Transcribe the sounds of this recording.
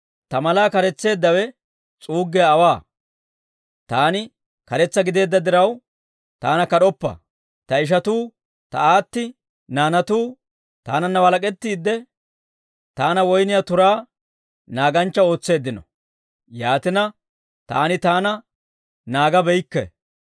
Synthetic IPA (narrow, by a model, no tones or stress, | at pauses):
t̪ɐmɐlaːkɐɾɛt͡sːe̞ːd̪ːɐwɛ | t͡sʼuːɡːɛɐːwaː | t̪aːnɪ | kɐɾɛt͡sːɐɡɪd̪e̞ːd̪ːɐd̪ɪɾɐw | t̪aːnɐkɐɗɔpːɐ̰ | t̪ɐɪʃ̬ɐt̪uː | t̪ɐaːt̪ːɪ | naːnɐt̪uː | t̪a̰ːnɐnːɐwɐlɐkʼɛt̪ːiːd̪ːɛ | t̪aːnɐwɔjnɪjat̪ʊɾaː | naːɡɐnt͡ʃːɐo̞ːt͡sːe̞ːd̪ːɪnɔ̰ | jaːt̪ɪnɐ | t̪a̰ːnɪt̪aːnɐ | naːɡɐbɛjkːɛ̰